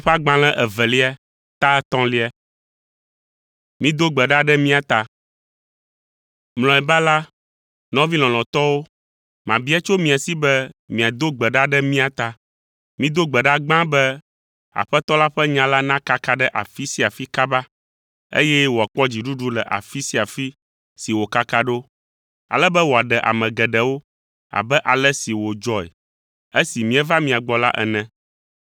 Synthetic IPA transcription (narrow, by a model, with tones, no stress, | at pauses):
ɸa˦ɡ͡bã˨lɛ̃˦ʔɛ˨vɛ˨li˦a˨ | t̪a˦ɛ˦t̪ɔ̃˦li˦a˨ | mĩ˦d̪o˦ɡ͡bɛ˨ɖa˦ɖɛ˦mĩ˦a˨t̪a˨ | ml̃ɔ̃˨ɛ˨ba˦la˦ | nɔ̃˦vi˦l̃ɔ̃˨l̃ɔ̃˨t̪ɔ˦wo˦ | mã˨bi˦a˦t͡ʃo˦mĩ˨a˨si˦bɛ˦mĩ˨a˨d̪o˦ɡ͡bɛ˨ɖa˦ɖɛ˦mĩ˦a˨t̪a˨ | mĩ˦d̪o˦ɡ͡bɛ˨ɖa˦ɡ͡bã˦bɛ˦ | a̰˨ɸɛ˦t̪ɔ˦la˦ɸɛ˦ɲã˦la˦nã˦ka˦ka˦ɖɛ˦ʔa̰˨fi˦si˦a˨fi˦ka˦ba˦ | ḛ˦jɛ˦wo˨a˨k͡pɔ˦d͡ʑi˨ɖu˦ɖu˦lɛ˨ʔa̰˨fi˦si˦a˨fi˦ | si˨wo˨ka˦ka˦ɖo˦ | a̰˨lɛ˦bɛ˦wo˨a˨ɖɛ˨ʔa̰˨mɛ̃˨ɡɛ˨ɖɛ˨wo˦ | a̰˨bɛ˦ʔa˨lɛ˦si˨wo˨d͡ʒɔ˦ɛ̰˨ | e˦si˨mĩ˦ɛ˦va˦mĩ˨a˨ɡ͡bɔ˨la˦ʔɛ̰˨nɛ̃˦